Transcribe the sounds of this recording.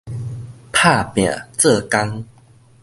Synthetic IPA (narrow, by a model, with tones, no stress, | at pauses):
pʰa˥˧˨pjã̰˨˩t͡sɤ˥˧ka˦ŋ